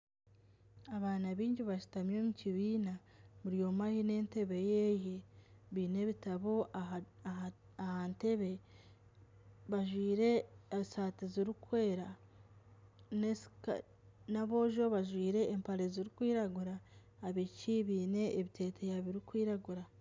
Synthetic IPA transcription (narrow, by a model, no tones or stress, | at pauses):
aβaːnaβiːɲɟiβaʃi̥tamjoːmuciβiːnamuɾijo̞mahine̞ːnte̞βe̞jejeβiːne̞βitaβo̞ | ahante̞βe̞ | βaʒwiːɾe̞saːtiziɾikwe̞ːɾa | nesk | naβo̞ːʒo̞βaʒwiːɾe̞ːmpaɾeziɾikwiːɾaɡuɾaː | βicʰiβiːne̞ːβitʰe̞ːtʰejaβiɾikwiːɾaɡuɾa